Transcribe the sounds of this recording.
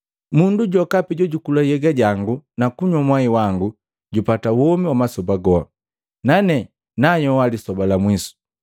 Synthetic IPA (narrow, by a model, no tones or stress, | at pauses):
munduɟɔkapiɟɔɟukulajɛɡaɟaŋɡunakuɲamwaiwaŋɡu | ɟupatawɔmiwamasɔbaɡɔa̰ | nanɛ | najɔwalisɔbalamwisu̥